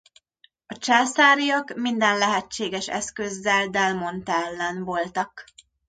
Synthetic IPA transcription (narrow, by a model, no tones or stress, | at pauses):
ɒt͡ʃaːsaːɾijɒkmind̪ɛnlɛɦɛt͡ʃːeːɡɛʃɛ̰skøzːɛld̪ɛlmo̞nt̪ɛlːɛnvo̞lt̪ɒk